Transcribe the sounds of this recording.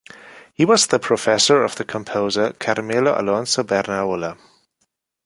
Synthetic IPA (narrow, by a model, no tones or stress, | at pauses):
hiwʌzðəpʰɹ̥ɔfɛsə˞ʌvðəkʰə̃mpʰoʊzəkʰaɾəmeloʔa̰lãnsobɛɾnaʊlə